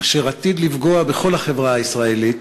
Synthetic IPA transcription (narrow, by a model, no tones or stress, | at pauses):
ʃeʁat̪id̪livɡo̞abe̞χo̞lhaχe̞vʁaaisʁae̞lit̪